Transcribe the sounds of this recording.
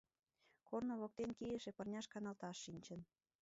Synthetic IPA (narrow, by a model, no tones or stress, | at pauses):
kornoβok̚t̪enkijeʃepərnʲɑʃkɑnɑlt̪ɑʃːinʲt͡ɕə̆n